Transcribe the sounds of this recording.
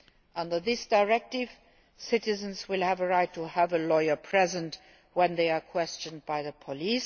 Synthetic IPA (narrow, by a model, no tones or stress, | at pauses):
ʔʌ̃ndə˞ðɪsd̥aɪɹɛk̚tɪv̥ | sɪtɪzə̃nswɪlˠhævəɹaɪtʰuævəlɔɪə˞pʰɹ̥ɛzə̃nt | wɛ̃nðeɪaːkʰw̥ɛst͡ʃə̃nd̚baɪðəpʰɔlis